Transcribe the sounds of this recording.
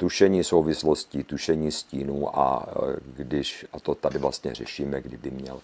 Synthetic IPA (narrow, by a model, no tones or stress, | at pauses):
t̪uʃɛɲiːsowvɪsloscit̪uʃɛɲiːsciːnuːʔa̰ɡdɪʃat̪ot̪adɪvlast̪ɲɛ̰r̝ɛʃiːmɛɡdɪbɪmɲɛ̰l